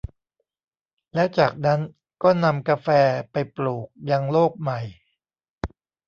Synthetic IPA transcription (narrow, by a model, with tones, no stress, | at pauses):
lɛː˦˥wt͡ɕaː˨˩k̚na˦˥n | kɔː˥˩na˧mka˧fɛː˧pa˧jpluː˨˩k̚ja˧ŋloː˥˩k̚ma˨˩j